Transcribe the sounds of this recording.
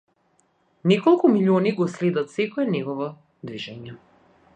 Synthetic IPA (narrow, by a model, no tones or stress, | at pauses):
nɛkɔlˠkumilʲiɔniɡɔslɛd̪at̪sɛkɔɛnɛɡɔvɔ | d̪viʒɛɲɛ